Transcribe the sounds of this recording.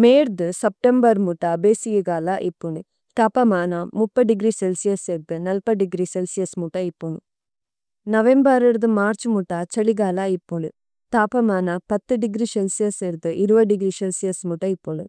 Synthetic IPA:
meːɾd̪ɨsɐp̚ʈembɐɾmuʈːɐbeːsijiɡaːlaʔipːuɳi | t̪aːpɐmaːnɐmupːɐɖiɡɾiselsijɐseɾd̪ɨnɐlpɐɖiɡɾiselsijɐsmuʈɐipːuɳɖu | nɐʋembɐɾeɾd̪umaːɾt͡ʃumuʈːat͡ʃɐɭiɡaːlaipːuɳu | t̪aːpɐmaːnɐpɐt̪ːɨɖiɡɾiselsijɐseɾd̪ɨʔiɾuʋɐɖiɡɾiselsijɐsmuʈːɐipːoɳɖu

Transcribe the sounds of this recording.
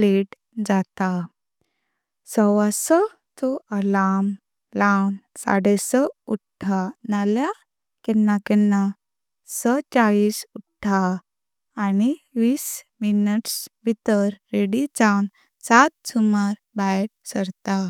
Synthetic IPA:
pleʈ | d͡zat̪a | sɔʋasə | t̪oəlam | lawnsa̰ɽɛsəuʈʰːanalja | kɛnːakɛnːa | sət͡ɕaɭiːsuʈʰːaː | niʋiːsminəʈsbʱit̪əɾːeɽit͡sawn | sat̪̚sumaɾ | bajɾ̚səɾt̪a

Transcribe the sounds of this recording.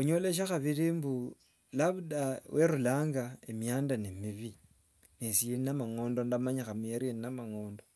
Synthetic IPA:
uɲo̞leʃ̬axaβiɾimbu | laβudaweɾulaːŋɡaemjaːndanemiβi | nesijeninamaŋo̞ːndondamaɲaxamueɾieninamaŋo̞ːndo

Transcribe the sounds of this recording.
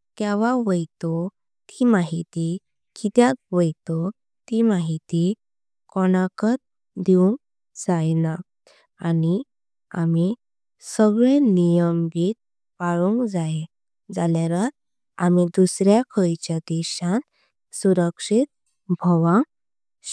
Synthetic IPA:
kɛʋ̤aʋəjt̪ɔ | t̪ʰimaɦit̪i | kit̪jat̪̚ʋəjt̪ɔ | t̪imaɦit̪i | kɔñakət̪̚ | d̪iũŋk | d͡zajna | ani | ami | səɡɭenijəmɡit̪̚ | paɭuŋkd͡zae | d͡zaljaɾat̪ | amid̪usɾjakʰəjt͡ɕjad̪ɛɕãn | suɾəkʂit̪̚ | bʱəʋã

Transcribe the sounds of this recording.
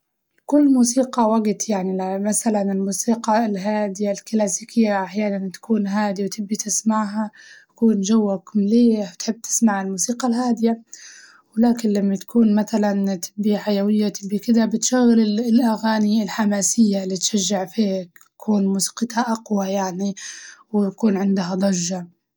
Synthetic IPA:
kʊlːmuːsiːqɑwaɡt̪jaʕnimasalanɪlmuːsiːqɑlɦaːd̪ɪjalklaːsiːkʰɪjːaʔaħjaːnant̪ḁkuːnɦaːd̪iwt̪ʰɪbːit̪ɪsmaʕɦat̪ḁkuːnʒawːakmliːat̪ħɪb̚ːt̪ʰɪ̥smaʕalmuːsiːqɑlhaːd̪ɪja | wɪlaːkɪnlamːat̪ḁkʰuːnmaθalant̪ʰɪbːiħajawɪjːat̪ɪbːikɪd̪abɪt̪ʃaɣːɪlɪlʔaɣaːnilħamaːsɪjːalːit̪ʃaʒːɪʕfiːkt̪ḁkʰuːnmuːsi̥ːqɪt̪haʔaqwajaʕniwt̪akuːnʕɪnd̪ɦad̪ˤɑʒːa

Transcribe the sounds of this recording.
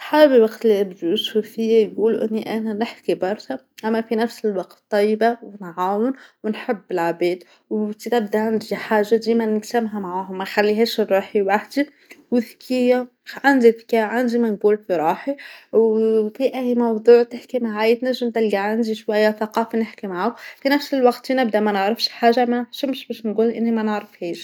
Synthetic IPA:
sˤħaːbbiwɑqt̪liɪbd̪usufɪjːæjɡuːluʔɪ̰nːiʔænænɪħkibɑɾˤʃɑ | ʔæmːæfinæfsəlwɑqt̪t̪ˤːɑjːbawnʕaːwənwnħəbːɪlʕabɛːd̪ | wt̪it̪æb̚d̪æʕand̪ʒiħaːʒːad̪iːmænəksɪmɦæmʕaɦʊmæxælːiɦɛːʃrˤːuːħiwaħd̪i | wəðkʰɪjːa | ʕand̪iθkæʕand̪imænɡuːlfiɾˤuːħi | fiʔæhmɑwd̪ˤuːʕt̪ɪħkimaʕajt̪næʒːəmt̪ælɡaʕand̪iʃwæjːæθɑqɑːfanɪħkimaʕʊfinæfsəlwɑqt̪ːinɪb̚d̪æmænəʕɾəfʃħaːʒːamænəħʃəmʃbɛʃnɡuːlʔɪnːimænəʕɾəfhiːʃ

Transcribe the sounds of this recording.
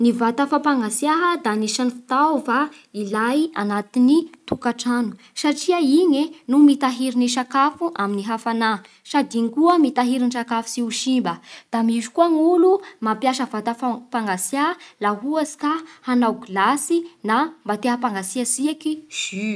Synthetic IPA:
nivat̪afapaŋɡasjaɦəd̪aniʃanifi̥t̪awva | ilajanat̪init̪ukaʈ͡ʂanu̥ | saʈ͡ʂiəiɲenumit̪aɦiɾiniʃakafuʔaminiɦafana | sad̪iŋkuəmit̪aɦiɾinʈ͡ʂakafu̥siuʃimbəd̪̥amizu̥kuaŋulumapjaʃəvat̪afapaŋɡasjalaɦuazi̥kahanawɡilasinambat̪eɦapaŋɡasiasiakiz̥i

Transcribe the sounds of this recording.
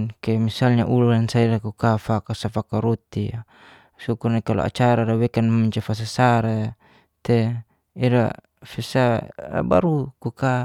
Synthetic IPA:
kɛmisalɲa̰ʔululansaiɾakukafakasafakaɾot̪ia | sukurnaikalo̰a̰t͡ʃaɾaɾawɛkanamiɲt͡ʃafas̬asaɾa | t̪e | iɾa̰ | fɛsaa̰ba̰ɾukuka

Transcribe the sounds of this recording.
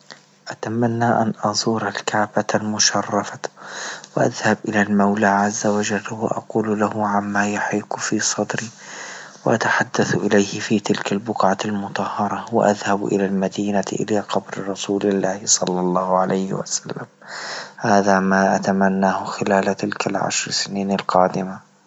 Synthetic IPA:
ʔat̪amanːaːʔanʔɑzˤuːɾalkaʕbalmʊʃɑrˤːɑfawɪʔaðhabʔɪlaːlmawlaːʕazːawad͡ʒalːwa̰ʔɑ̰quːllahʊʕamːaːjʊħiːqfiːsˤɑd̪ɾiːwɪʔat̪aħad̪ːaθʔɪlajhɪfiːt̪ɪlkalbʊqʕalmʊt̪ˤɑhːɑɾˤɑwɪ̰ʔa̰ðhabʔɪ̰lalmad̪iːnaʔɪ̰laːqɑbɾɾˤɑsuːlɪlːaːhɪsˤɑlːɑlˤːɑːhʊʕalʔajhɪ̰wa̰salːamhaːðamaːʔat̪amanːaːhʊxɪlaːlt̪ɪlkalʕa̰ʃɾˤsɪniːnalqɑːd̪ɪma

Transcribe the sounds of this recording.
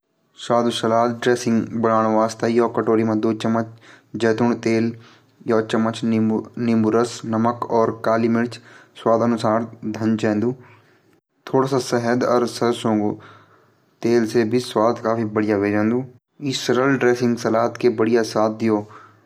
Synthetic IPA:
saːd̪usɐlaːt̪̚ɖɾeːsɪ̃ŋɡbənaːɽ̃ʋaːst̪ajoːkəʈoːɾimãd̪oːt͡ʃəmːət͡ʃ | d͡ʒɛːt̪ʊɳt̪eːl | jɔːt͡ʃəmːət͡ʃnɪmʊɾəsnəməkɔːɾkaːliːmɪɽt͡ʃswaːd̪ənʊsaːɾd̪ʱə̃nt͡ʃɛ̃ːnd̪uː | t̪ʰoːɽaːsasɛɦəd̪ɔɾsəsõːŋɡ | t̪eːlsebʱiswaːd̪kaːfibəɽɪjaʋeːd͡ʒɛ̃ːnd̪ũː | isəɾəlɖɾeːsɪ̃ŋɡsɐlaːt̪kebəɽɪjasaːt̪̚d̪ɪjoː

